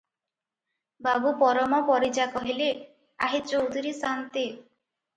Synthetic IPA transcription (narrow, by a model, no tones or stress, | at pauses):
babupɔɾɔmɔpɔɾid͡ʒakɔɦile | aɦit̪ɔud̪iɾisant̪i